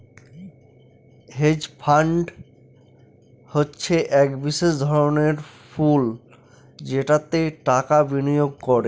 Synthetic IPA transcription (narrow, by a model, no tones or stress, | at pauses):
ɦed͡ʑpʰaɳɖ | hotːɕʰeʔɛkbiʃeʃd̪ʱɔɾoneɾful | d͡ʑeʈat̪eʈakabinijoɡ̚kɔɾe